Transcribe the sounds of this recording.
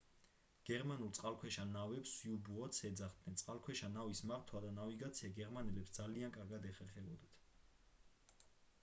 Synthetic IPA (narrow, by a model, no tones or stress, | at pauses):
ɡ̥ɛɾmanulˠt̪sʼqʼalˠkʰwɛʃanavɛpsiubuɔt̪sʰɛd̪zaχd̪nɛnt̪sʼqʼalkʰwɛʃanavismaɾt̪ʰwad̪anaviɡat̪sʰiaɡɛɾmanɛlɛpsd̪zaliankʼaɾɡad̪ɛχɛɾχɛbɔd̪at̪ʰ